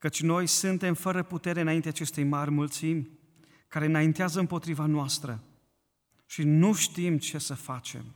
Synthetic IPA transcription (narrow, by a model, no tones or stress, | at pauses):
kət͡ʃʲno̞jsɨnt̪e̞mfəɾəput̪e̞ɾe̞ɨnaint̪eaːt͡ʃe̞st̪ejmarʲmult̪simʲ | kaɾe̞ɨnaint̪eazəɨmpo̞t̪ɾivanoast̪ɾə | ʃinuʃt̪imt͡ʃe̞səfat͡ʃe̞̰m